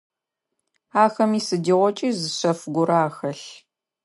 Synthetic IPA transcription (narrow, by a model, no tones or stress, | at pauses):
aːxɐmiːsɨdiːʁʷɔt͡ʃʼiːzɨɕɐfɡʷʊɾaːxɐɬ